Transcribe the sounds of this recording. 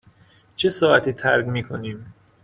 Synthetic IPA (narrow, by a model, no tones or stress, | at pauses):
t͡ʃʰe̞sɒːæt̪ʰiːt̪ʰæɾɡmiːkʰo̞niːm